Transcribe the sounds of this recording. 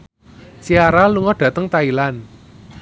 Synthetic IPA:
t͡ʃiaɾaluŋɔɖ̥ä̤t̪əŋt̪ailan

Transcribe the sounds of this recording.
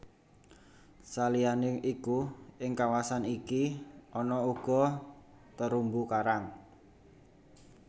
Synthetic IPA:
salianeʔikuɪŋkawasanikiɔnɔuɡ̥ɔ̤ | t̪əɾumbukaɾaŋ

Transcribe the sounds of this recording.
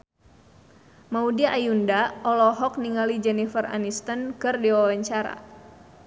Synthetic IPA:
maudiaʔajundaɔlɔɦɔk̚niŋalid͡ʒɛnifəra̰nist̪ənkɨrdiwawaɲt͡ʃaɾa̰

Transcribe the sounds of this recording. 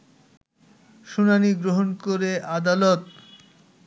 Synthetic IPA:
ʃunaniɡɾoɦonkoɾeʔad̪alɔt̪

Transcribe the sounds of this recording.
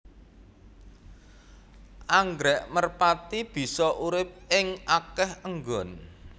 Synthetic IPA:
ʔaŋɡɾɛʔmərpat̪ib̥i̤sɔʔuɾɪp̚ɪŋakɛhəŋɡɔn

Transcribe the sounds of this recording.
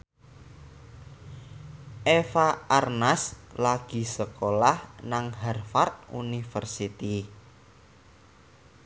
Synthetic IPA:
ʔefaʔarnaslaɡ̥i̤səkolahnaŋɦɛrfart̪̚ṵnifərsit̪i

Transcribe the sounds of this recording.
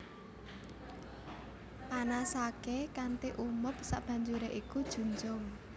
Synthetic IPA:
panasakekant̪iʔumʊp̚sa̰ʔb̥a̤ɲd͡ʒuɾeʔikud̥ʒ̥ṳnd͡ʒʊŋ

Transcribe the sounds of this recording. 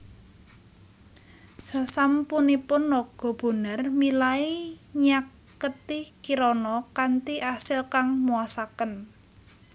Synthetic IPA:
hasampunipʊnːɔɡ̥ɔ̤b̥o̤nərmilaiɲakː | ət̪ɪkiɾɔnɔkant̪iʔasɪlkaŋmuasakən

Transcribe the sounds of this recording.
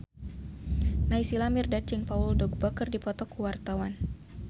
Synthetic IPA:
naisilamirdat͡ʃiŋpaʊldɔɡ̚bɔkərdipɔt̪ɔkuwart̪awan

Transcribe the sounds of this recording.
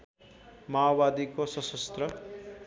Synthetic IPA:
maobad̪ikosʌsʌst̪rʌ

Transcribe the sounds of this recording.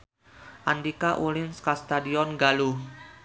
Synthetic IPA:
ʔandikaʔulɪnskast̪adiɔnɡaluh

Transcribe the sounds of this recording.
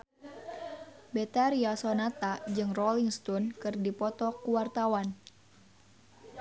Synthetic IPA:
bɛt̪aɾiasɔnat̪ad͡ʒɨŋrɔliŋst̪ɔnkɨrdipɔt̪ɔkuwart̪awan

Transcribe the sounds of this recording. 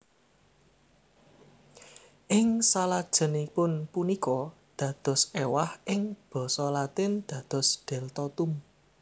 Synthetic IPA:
ʔɪŋsalad̥ʒ̥ə̤nipʊnpunikɔ | d̪̥ä̤d̪̥ɔ̤sewahʔɪŋb̥ɔ̤sɔlat̪ɪnd̪̥ä̤d̪̥ɔ̤sɖ̪̥ɛ̤lt̪ɔt̪um

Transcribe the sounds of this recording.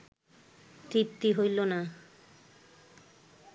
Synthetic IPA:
t̪ɾip̚t̪iɦojlona

